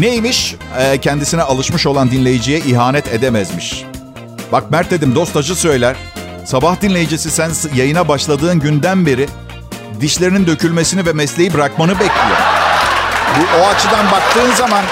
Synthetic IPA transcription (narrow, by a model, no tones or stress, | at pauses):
nejimiʃ | ɛcʰɛnd̪isinɛalˠɯʃmɯʃo̞lˠand̪inlʲe̞jid͡ʒijɛʔiɦaːnɛt̪ʰe̞d̪emæzmiʃ | bak̚mæɾt̪ʰe̞d̪imd̪o̞st̪ʰad͡ʒɯsø̞jlʲæɾ̥ | sabahd̪inlʲe̞jid͡ʒisisænsjajɯnabaʃlˠad̪ɯːnɟynd̪ænbe̞ɾi | d̪iʃlʲeɾinind̪ø̞cʰylʲme̞sinivɛmɛslʲe̞jibɾakmanɯbɛclʲijo̞̰ɾ | buʔoat͡ʃʰɯd̪anbak̚t̪ʰɯːnzaman